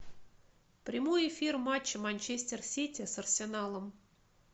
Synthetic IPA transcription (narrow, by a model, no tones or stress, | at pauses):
pɾʲɪmojɪfʲirmat͡ɕːəmanʲt͡ɕesʲtʲersʲitʲɪsɐrsʲɪnalˠəm